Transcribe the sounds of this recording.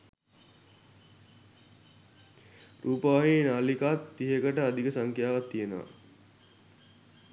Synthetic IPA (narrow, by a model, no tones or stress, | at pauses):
rʔuːpəʋaɦinaːlikat̪ːiɦekəʈəad̪ikəsaŋkjaːʋat̪ːijənəʋa̰